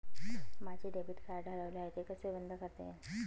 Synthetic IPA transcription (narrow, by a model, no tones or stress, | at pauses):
mad͡ʑʱeɖebiʈkaɾɖʱəɭəʋleaɦet̪ekəsʋibənd̪ʱəkəɾt̪ḛ